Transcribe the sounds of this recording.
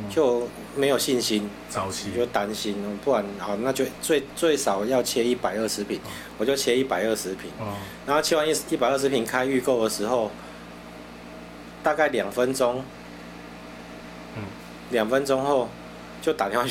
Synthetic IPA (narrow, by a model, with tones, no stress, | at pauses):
t͡ɕjo˥˧ʊ | mẽ˧˦jo˨˩ʊɕi˥˧nɕi˦n˨ | t͡ɕo˥˧˩t̪a˦˥nɕi˦nɔ˨pu˥˩kwa˨˩nɔ˨˩nã˥˧t͡ɕjo˥˧ʊt͡swe˥˧ɪt͡swe˥˩ɪʂɑ˨˩ʊja˥˧ʊt͡ɕʰjɛ˧˦i˥˩pa˨˩ɪə˥˧˩ʂɻ̩˧˥pʰi˨˩˦n | wɔ˨˩t͡ɕjo˥˧ʊt͡ɕʰjɛ˧˦i˥˩pa˨˩ɪə˥˧ʂ̩˧˥pʰi˨˩nna˨˦ŋho˥˧ʊi˧˥wa˥˧ni˥˩˧i˥˩pa˨ɪə˥˩ʂ̬ɻ̩˧˥pʰi˨˩nkʰa˦ɪy˥˧ko˥˨ʊd̪ə˨ʂɻ̩˧˦xo˥˧ʊ | t̪a˥˧ka˥˩ɪlja˨˩ŋfə˦nt͡sɔ˦ŋ | lja˨˩ŋfə˦nt͡sɔ˥˦ŋho˥˧ʊ | t͡ɕjo˥˩ʊt̪a˨ni˨˦wa˥˧